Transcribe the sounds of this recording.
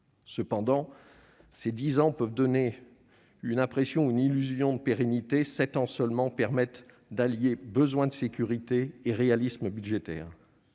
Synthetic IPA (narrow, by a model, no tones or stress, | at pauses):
səpɑ̃d̪ɑ̃ | sed̪izɑ̃pœvd̪ɔne | ynɛ̃pχesjɔ̃uynilyzjɔ̃d̪əpeʁenit̪esɛt̪ɑ̃sœlmɑ̃pɛʁmɛt̪ | d̪aljebəzwɛ̃d̪əsekʲyʁit̪eːʁealisməbyd̪ʒet̪ɛ̰ːʁ